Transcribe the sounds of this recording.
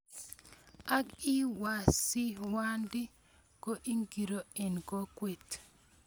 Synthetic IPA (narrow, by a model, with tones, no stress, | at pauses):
a˦ki˦wa˨si˦wa˦ndɪ˦ | ko˦ʔi˦ŋɡi˨ɾo˨ɛ˨nko˦kwe˨t